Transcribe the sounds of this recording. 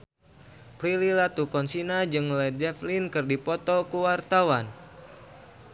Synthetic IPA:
pɾililat̪ukɔnsinad͡ʒɨŋlɛdɛflinkɨrdipɔt̪ɔkuwart̪awan

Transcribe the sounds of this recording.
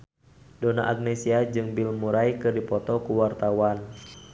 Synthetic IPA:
dɔna̰ʔaɡ̚nɛsiad͡ʒɨŋbilmuɾajkɨrdipɔt̪ɔkuwart̪awan

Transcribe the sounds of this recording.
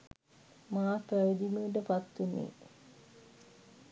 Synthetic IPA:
maːpɾæʋəd̪iməːʈ̬əpat̪ːunḛː

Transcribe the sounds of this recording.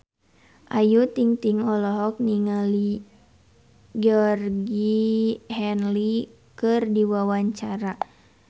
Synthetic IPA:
ʔajut̪iŋt̪iŋɔlɔɦɔk̚niŋali | ɡɔrɡihɛnli | kɨrdiwawaɲt͡ʃaɾa

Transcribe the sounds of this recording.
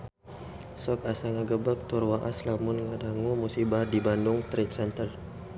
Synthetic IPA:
sɔkasaŋaɡəbak̚t̪urwaʔaslamʊnŋadaŋumusibardibandʊŋt̪ɾɛt̪sɛnt̪əl

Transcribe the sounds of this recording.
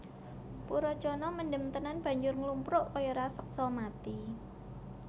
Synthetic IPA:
puɾɔt͡ʃɔnɔməndəmt̪ənanb̥ä̤ɲd͡ʒʊrŋlumpɾʊʔkɔjɔɾasək̚sɔmat̪i

